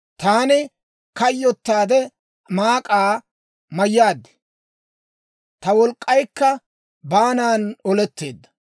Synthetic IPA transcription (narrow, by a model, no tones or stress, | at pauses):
t̪aːnɪ | kɐjːɔt̪ːaːd̪ɛ | maːkʼaː | mɐjːaːd̪ːɛ̥ | t̪ɐwɔlkʼːɐjkːɐ | baːnaːnɔlɛt̪ːe̞̰ːd̪ːɐ̥